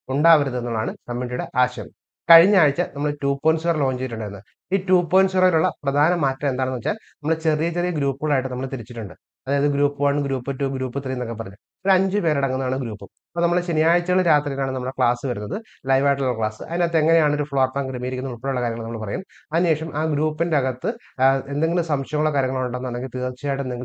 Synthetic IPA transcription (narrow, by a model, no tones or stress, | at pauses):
uɳɖaːʋɐɾunðɨenːuɭːaːɳɨkɐmːeɳɖiuɽeʔaːɕɐjɐm | kɐɻiɲːaːɻit͡ɕːɐnɐmːɐɭetuːpːoːjnsuʋɐrloːd͡ʑt͡ɕejiʈ̬ːuɳɖajɾunːɐð | iːtːuːpːoːjnsuʋɐriluɭːɐprɐd̪ʱaːnɐmaːtːɐme̞nd̪aːɳnɨʋɐt͡ɕːaːlnɐmːɐɭet͡ɕe̞rijɐt͡ɕerijɐɡɾuːpːɨɣɐɭaːjiʈːɨnɐmːɐɭet̪iɾit͡ɕːiʈːuɳɖɨ | ɐðaːjɐðɨɡɾuːpːɨʋaːɳɨɡɾuːpːɐtːuɡɾuːpːɨt̪irijɐno̞kːepːɐrɐɲːu | oɾɐɲd͡ʑɨpe̞ːɾeɽɐŋːunɐðaːɳɨɡɾuːpːɨ | ɐpːoːnɐmːɐɭet͡ɕenijaːjit͡ɕːɐuɭːɐɾaːt̪rijnaːɳɨnɐmːɐɭkɭaːsɨʋɐɾunːɐðɨ | lɐjʋaːjiʈ̬ːuɭːɐkɭaːsɨ̰ʔɐ̰ðineɐt̪ːeeŋːɐnejaːɳo̞ɾufɭoːrt̪ːaːŋkiɾimijiɾikʲːnɐuɭpoɽejuɭːɐkaːɾjɐŋːɭnɐmːɐɭpɐrɐjum | ɐneːʂɐmʔaːɡɾuːpːindeɐɣɐt̪ːɨ | e̞nd̪e̞ŋɡilumsɐmʂɐjɐŋɐuɭːɐkaːɾjɐŋːɐɭouɳɖenːaːɳeŋɡilt̪iːrt͡ɕːijaːjiʈːenːeŋɡil